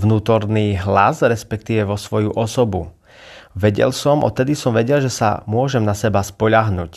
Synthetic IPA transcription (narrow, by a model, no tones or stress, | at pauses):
ʋnuːt̪ɔɾniːɦla̰sɾɛspɛkt̪iʋɛʋɔsʋɔjuʔɔsɔbu | ʋɛɟɛ̰lsɔmɔ̰t̪ːɛd̪isɔmʋɛɟɛlʒɛsa̰mʊɔʒɛmnasɛbaspɔʎaɦnuːc